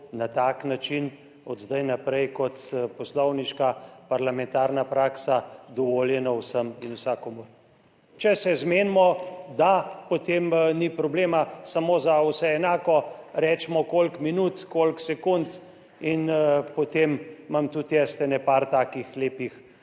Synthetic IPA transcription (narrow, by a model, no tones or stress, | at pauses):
nat̪aːknat͡ʃin | ɔd̪zd̪ajnapɾɛjkɔt̪pɔslɔwniʃkapaɾlamɛnt̪aːɾnapɾaːksad̪ɔʋoːljɛnɔwsəminusaːkɔmoɾ | t͡ʃɛsɛzmeːnmɔd̪apot̪emnipɾɔbleːmasamoːzawsɛɛnaːkɔɾɛt͡ʃmɔkolkminut̪kolksɛkunt̪ | inpot̪emːamt̪ut̪jɛst̪ɛnɛpaɾt̪aːkixleːpix